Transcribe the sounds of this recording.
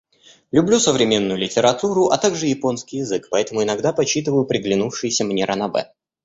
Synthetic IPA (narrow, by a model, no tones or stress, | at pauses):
lʲʊblʲusəvɾʲɪmʲe̞nːʊjʊlʲɪtʲɪɾɐt̪uɾʊʔɐt̪aɡʐɨjɪpo̞nskʲijɪzɨkpɐɛt̪əmʊɪnɐɡd̪apɐt͡ɕːit̪ɨvəjʊpɾʲɪɡlʲɪnufʂɨjɪsʲəmnʲe̞ɾʔənɐbɛ̰